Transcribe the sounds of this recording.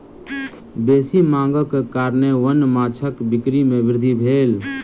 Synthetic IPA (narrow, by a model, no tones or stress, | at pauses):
beːsimãːŋɡəkkaːɾneʋənmaːt͡ʃʰəkbɪkɾimẽʋɪɾd̪ʱibʱeːl